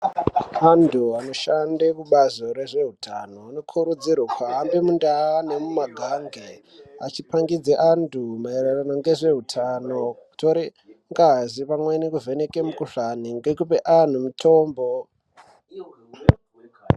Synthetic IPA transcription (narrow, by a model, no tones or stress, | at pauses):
anduano̞ʃandekuɓazo̞ɾe̞ʐe̞ɦutʰa̰no̞ano̞kʰuɾud͡zirwakʰaambemundaane̞mumaɡʱaŋɡe | a̰t͡ʃipaŋɡid͡zeʔandumaereranoŋɡe̞ʐe̞ɦutʰano̞u̥tʰoɾi | ŋɡazipamwenikuve̞nekemukuʂaniŋɡekupeʔan̤umutʰo̞ːmbo